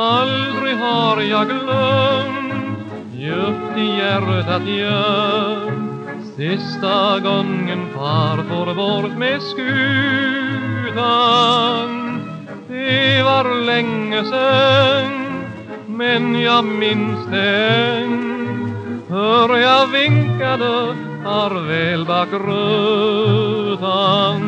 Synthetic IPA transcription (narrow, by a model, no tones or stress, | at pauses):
ald̪ɾɪɡɦɑɾjɑɡlœmt̪ | jœpt̪ɪjæɾət̪at̪jœ | sɪst̪aɡɔŋːənfɑɾfoɾəboːɾət̪meskʉː | d̪a | n | ɪvɑɾlɛŋːəsən | mɛnjɑmɪnsd̪ɛ | hœɾjɑvɪŋkad̪ə | ɑɾʋɛːlbɑːkɾø | d̪aŋ